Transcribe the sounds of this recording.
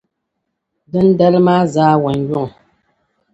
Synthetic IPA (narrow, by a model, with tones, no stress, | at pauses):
bə˦n̩˦dɛ˦lma˦zaː˦wɛ˨ŋ˦ɡwɔ˦˨ŋ˨